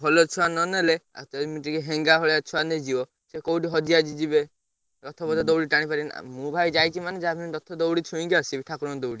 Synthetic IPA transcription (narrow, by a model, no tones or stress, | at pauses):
bʱɔlot͡ʃʰuanɔnelea̰tɔɾimiʈikeɦeŋɡaɦɔɭeat͡ʃʰuaned͡ʒiɔ | sekowʈiɦɔd͡ʒiad͡ʒid͡ʒibe | ɾɔt̪ʰɔbɔd̪ɔd̪ɔwɽiʈaɽ̃ipaɾin̰mũbʱajd͡ʒajkimaned͡ʒabʰʱiniɾɔt̪ʰɔd̪owɽit͡ʃʰuĩŋɡiasibiʈʰakuɾɔnd̪owɽi